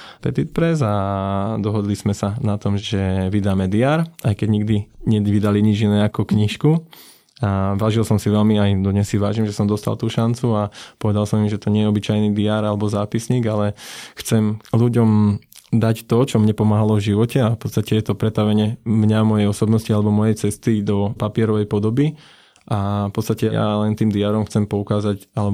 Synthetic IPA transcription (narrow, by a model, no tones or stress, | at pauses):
pɛt̪it̪̚pɾɛzad̪ɔɦɔd̪lizmɛsanat̪ɔmʒɛʋid̪aːmɛd̪iaːɾʔajkɛɟɲiɡd̪iɲɛʋid̪aliɲid͡ʒinɛːakɔkɲiʃku | aʋaːʒilsɔmsiʋɛlmiajd̪ɔdɲɛsiʋaːʒimʒɛsɔmd̪ɔst̪a̰lˠt̪uːʃant͡suapɔʋɛd̪alˠsɔmimʒɛt̪ɔɲɪɛjɛɔbit͡ʃajniːd̪iaːɾalɛbɔzaːpisɲiːɡalɛxt͡sɛmluɟɔmd̪act̪ɔt͡ʃɔmɲɛpɔmaːɦalɔvʒiʋɔcɛafpɔt̪st̪acɛjɛt̪ɔpɾɛt̪aʋɛɲɛmɲamɔjɛjɔsɔbnɔscialɛbɔmɔjɛjt͡sɛst̪id̪ɔpapɪɛɾɔʋɛjpɔd̪ɔbi | ʔafpɔt̪st̪acɛja̰lɛnt̪iːmd̪iaːɾɔmxt͡sɛmpɔukaːzacalɛ